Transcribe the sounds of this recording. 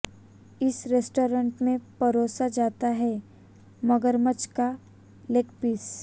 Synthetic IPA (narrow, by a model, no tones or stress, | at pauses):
ɪsɾesʈoːɾə̃ɳʈmẽbɐɾoːsad͡ʒaːt̪aɦɛ | mɐɡəɾmət͡ʃka | leːkpiːs